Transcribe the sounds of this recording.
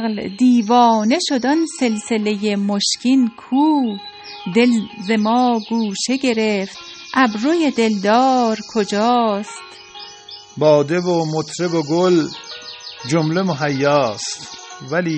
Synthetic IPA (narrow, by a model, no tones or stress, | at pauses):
ld̪iːvɒːne̞ʃo̞d̪ɒnse̞lselejemoʃkinkʰuː | d̪elzemɒːɡuːʃeɡe̞ɾeft̪ | ʔæbɾojed̪e̞ld̪ɒːɾkʰod͡ʒɒːst̪ | bɒːd̪ebomot̪ʰɾeboɡol | d͡ʒomlemoɦæjːɑːst̪væliː